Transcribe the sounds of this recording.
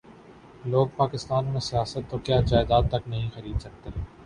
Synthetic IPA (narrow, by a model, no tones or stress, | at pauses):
loːɡ̚paːkɪst̪aːnmẽsijaːsət̪ːokjaːd͡ʒaːɪd̪aːt̪ːɐknɐɦĩxɐɾiːd̪sɐk̚t̪eɦɛ̃ː